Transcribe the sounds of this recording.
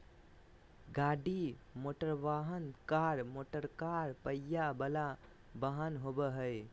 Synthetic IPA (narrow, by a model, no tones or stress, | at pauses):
ɡaɖimoʈəɾʋaɦənkaɾmoʈəɾkaɾpəjabəla | bəɦənɦobəɦəj